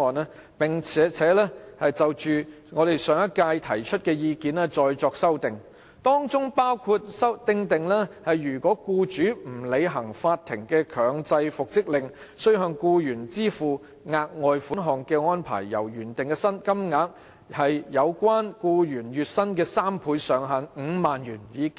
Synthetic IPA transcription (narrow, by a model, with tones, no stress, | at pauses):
ɔː˨nɛː˥ | pɪ˨ŋt͡sʰɛː˨˥t͡sʰɛː˨˥lɛː˥hɐ˨jt͡sɐ˨wt͡ʃyː˨ | ŋɔː˨˧ɾe˨jsœː˨˧ŋɐ˥t̚kaː˧jt̪ʰɐ˨˩jt͡ʃʰɵ˥t̚kɛː˧jiː˧kiː˨nɛː˥t͡sɔː˧jt͡sɔː˧k̚sɐ˥wt̪ɪ˨ŋ | t̪ɔː˥ŋt͡sʊ˥ŋpaː˥wkʰuː˧t̚sɐ˥wt̪ɪ˧ŋt̪ɪ˨ŋlɛ˥hɐ˨jːyː˨˩kʷɔː˨˥kuː˧t͡ʃyː˨˥m̩˨˩le˨˧jɦɐ˨˩ŋfaː˧t̪ʰːɪ˨˩ŋkɛː˧kʰœː˨˧ŋt͡sɐ˧jfʊ˨k̚t͡sɪ˥k̚lɪ˨ŋ | sɵ˥ɥɦœː˧ŋkuː˧jyː˨˩nt͡siː˥fuː˨ | ŋaː˧k̚ŋɔː˨˧jfuː˨˥nɦɔː˨ŋkɛː˧ŋɔː˥npʰa̰ː˨˩jːɐ̰˨˩wjyː˨˩nt̪ɪ˨ŋkɛː˧sɐ˥nkɐ˥mŋaː˨˥k̚ | hɐ˨jːɐ˨˧wkʷwaː˥nkuː˧jyː˨˩njyː˨t̚sɐ˥nkɛː˧saː˥mpʰuː˨˧˥jsœː˨˧ŋɦaː˨˥nŋ̩ː˨˧maː˨njyː˨˩njiː˨˧k